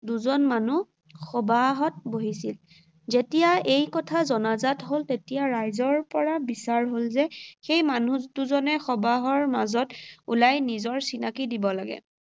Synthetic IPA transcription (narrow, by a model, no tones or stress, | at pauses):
duzɔnmanu | xɔbaɦɔt̚boɦisil | zetijaejkɔtʰazɔnazatɦoltetijaɹajzɔɹpɔɹabisaɹɦolzɛxejmanutuzɔnɛxɔbaɦɔɹmazɔtṵlajnizɔɹsinakidibɔlaɡɛ̰